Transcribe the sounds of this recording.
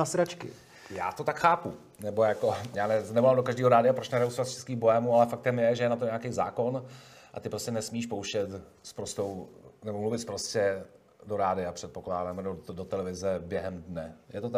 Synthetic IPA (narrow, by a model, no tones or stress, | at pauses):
asɾat͡ʃkɪ̰ | ja̰ːt̪o̞t̪akxaːpu | nɛbo̞jako̞jaːnɛnɛmolaːmdokaʒdiːɦoɾaːdɪapɾot͡ʃnɛɾɛusovat̪ft͡ʃɛ̥skiːxbojɛmualɛfak̚t̪ɛmjɛʒɛjɛnat̪oɲakejza̰ːko̞n | ʔa̰t̪ɪpɾo̞scɛnɛsmiːʃpowʃɛt̪spɾost̪o̞wnɛbomluvɪt̪spɾoscɛ | do̞ɾaːdɪapr̝̥ɛt̪̚po̞klaːdamɛdodot̪ɛlɛvɪzɛbjɛɦɛmdnɛjɛt̪ot̪